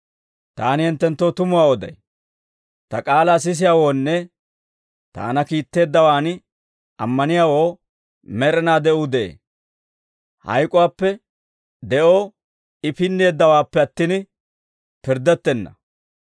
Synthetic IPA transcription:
t̪aːnɪhɪnt̪ːɛnt̪ːo̞ːt̪ʊmʊwaːɔd̪ɐ̰j | t̪ɐkʼaːlaːs̬ɪs̬ɪjaːwo̞ːnːɛ | t̪a̰ːnɐkiːt̪ːe̞ːd̪ːɐwaːn | ɐmːɐnɪjaːwo̞ː | mɛɾɛnaːd̪ɛʔʊd̪ɛʔḛː | hɐ̰jkʼʊwaːpːɛ | d̪ɛʔo̞ː | ɪpɪnːeːd̪ːɐwaːpːɛɐt̪ːin | pɪɾd̪ɛt̪ːɛnːɐ̰

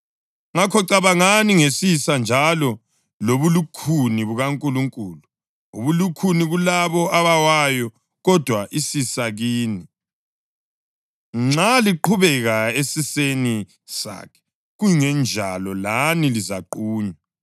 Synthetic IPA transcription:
ŋakʰɔǀaβaŋaniŋesisand͡ʒʱalɔ | loβulukʰuniβuɣaŋkʼuluŋkʼuːlu | uβulukʰuniɣulaβɔaβawajɔ | ɣɔd̥ʱwaʔisisaɣiːni | ŋ͡ǁaliǃʰuβɛɣaesiseni | sa̰kʰɛ̥ | ɣujiŋɛnd͡ʒʱa̰lɔlanilizaǃuːɲa

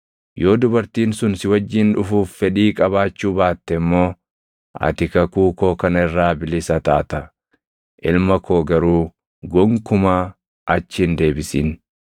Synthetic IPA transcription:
jo̞ːd̪ʊbɐɾt̪iːnsʊnsɪwɐd͡ʒːɪnᶑʊfuːffɛᶑiːkʼɐbaːt͡ʃːuːbaːt̪ːɛmːo̞ː | ʔɐ̰t̪ɪkɐkuːko̞ːkɐnɐɪrːaːbɪlɪsɐt̪aːt̪ɐ | ʔɪlmɐkʰo̞ːɡɐɾuː | ɡɔŋkʊmaː | ʔɐt͡ʃːɪnd̪e̞ːbɪsiːn

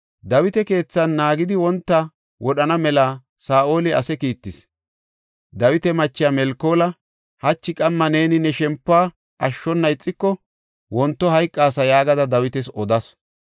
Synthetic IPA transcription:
d̪ɐwɪt̪ɛke̞ːt͡sːɐnːaːɡɪd̪ɪwɔnt̪ːɐ | wɔɗɐnɐmɛlaː | saːʔo̞ːlɪɐ̰sɛkiːt̪ːɪs | d̪ɐwɪt̪ɛmɐt͡ʃːɪjamɛlkːo̞ːlɐ | hɐt͡ʃːɪkʼɐmːɐneːnɪnɛʃɛmpːaː | ʔɐʃːɔnːɐjt͡sʼːɪkːɔ | wɔnt̪ːɔhɐjkʼːaːsɐjaːɡɐd̪ɐd̪ɐwɪt̪ɛsɔd̪ɐs

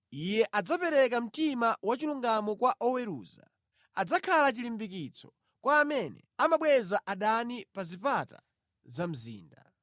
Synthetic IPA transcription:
ijɛʔad͡zapɛɾɛkam̩timawat͡ʃiluŋɡamɔkwaʔɔwɛɾṵːza̰ | ad͡zakʰalat͡ʃilimbik̬it͡sʰɔ̥ | kwaːmɛnɛ̰amaɓwɛzaʔaɗanipazipata̰ | zam̩zḭːnda̰

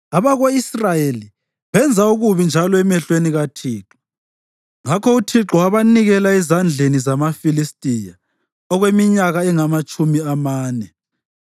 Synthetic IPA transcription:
aβaɣoisrajeli | βɛnd͡zʱauɣuβind͡ʒʱalɔɛmɛɬweniɣatʰiːǁɔ̥ | ŋakʰɔutʰiǁɔwaβaniɣɛlaizand͡ɮʱenizamafilistʼija | ɔɣwemiɲaɣaɛŋamat͡ʃʼumiamaːnɛ

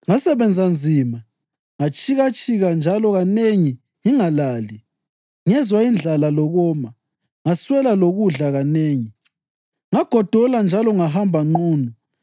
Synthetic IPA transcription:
ŋasɛβɛnd͡zʱand͡zʱiːma | ŋat͡ʃʼiɣat͡ʃʼiɣand͡ʒʱalɔɣaneŋi | iŋalaːli | ŋɛzwaind͡ɮʱalalɔɣɔːma | ŋaswɛlaloɣuɮaɣaneːŋi | ŋaɡ̥ʱɔd̥ʱɔland͡ʒʱalɔŋaɦambʱaŋ͡ǃuːnɔ

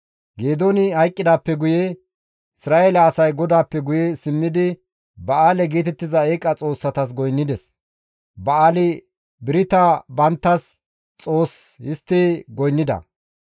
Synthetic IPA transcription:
ɡeːd̪onɪhɐjkʼːɪd̪aːpːɛɡʊje | ɪsɪɾaːjeːlɐːsɐjɡɔd̪aːpːɛɡʊjɛsɪmːɪd̪ɪ | bɐaːlɛɡeːt̪ɛt̪ːɪzɐeːkʼːɐt͡sʼo̞ːsːɐt̪ɐs̬ɡɔjnːɪd̪ɛs | bɐaːlɪ | bɪɾɪt̪ɐbɐnt̪ːɐs | t͡sʼo̞ːshɪst̪ːɪɡɔjnːɪd̪ɐ̰

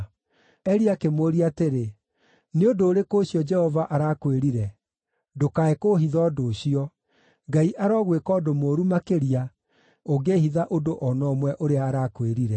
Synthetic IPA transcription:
ɛɾiakemoɾiateɾe | neodoːɾekoɕjɔd͡ʒɛhɔvaʔaɾakweɾiɾɛ | dokaekoɦiðɔːdoːɕiɔ | ŋɡaiʔaɾɔɣwekɔːdomoːɾumakeɾia | oɡeːhiðaʔodoʔɔnɔmwɛʔoɾeaːɾakweɾiɾɛ

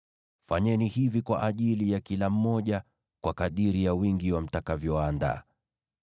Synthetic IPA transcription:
faɲɛnihivikwa̰ʔaʄilijakilam̩mɔʄa | kwakaɗiɾijawiŋɡiwam̩takavjɔaːnda̰ː

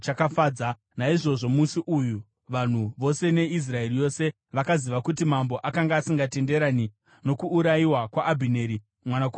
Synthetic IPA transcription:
t͡ʃakafaːd͡za | naiʐo̞ʐo̞musiʔuju | ʋan̤uʋo̞se̞ne̞is̬rae̞rijo̞se̞ | ʋakaziʋakutimambo̞ʔakaŋɡaːsiŋɡate̞nde̞ɾani | no̞kuːɾaiwakwaʔːbʱine̞ɾi | mwanaku

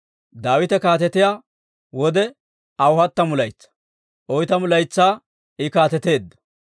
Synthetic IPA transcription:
d̪aːwɪt̪ɛkaːt̪̬ɛt̪ɪjaː | wɔd̪ɛ | ɐwʊhɐt̪ːɐmʊlɐjt͡sːɐ̥ | ʔɔjt̪ɐmʊlɐjt͡sːaː | ɪkaːt̪ɛt̪e̞ːd̪ːɐ̥

